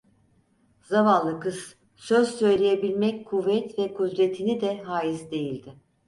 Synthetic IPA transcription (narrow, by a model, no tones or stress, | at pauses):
zavanlːˠɯkɯz̥ | sø̞zsø̞jlʲe̞jebilʲmɛckʰuvːɛt̪vɛkʰud̪ɾe̞t̪ʰinid̪ɛɦaːjizd̪e̞jilʲd̪ɪ